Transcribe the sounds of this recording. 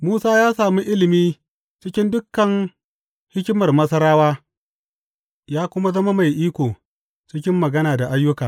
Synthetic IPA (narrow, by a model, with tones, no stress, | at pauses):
muː˦saː˦jaː˦saː˨mi˦ʔɪ˦lɪ˨miː˦ | t͡ʃɪ˦kʲɪ˦ndʊ˦kːɐ˨ŋ | hɪ˦kʲɪ˦mɐ˨rmɐ˦sɐ˦ɾaː˦waː˦ | jaː˦kʷʊ˦ma˦zɐ˦ma˦ma˨jʔiː˦kʷoː˨ | t͡ʃɪ˦kʲɪ˦mːɐ˨ɡɐ˦naː˨da˨ʔa˦jːʊ˦kaː˨